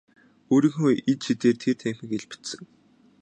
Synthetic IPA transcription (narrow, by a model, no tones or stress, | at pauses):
oːɾiːŋxoit͡ɕʃʰit̪eːrt̪ʰert̪ʰæmxʲɘ̆kɡeɮpɘ̥t̪sɘ̆ŋ